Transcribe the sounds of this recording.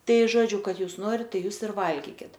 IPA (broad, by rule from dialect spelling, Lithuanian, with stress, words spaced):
ˈtɐɪ ˈʒoːd͡ʒʲʊ ˈkɐt ˈjuːs ˈnoːrʲɪt ˈtɐɪ ˈjuːs ɪr ˈʋɐlʲɡʲiːkʲɪt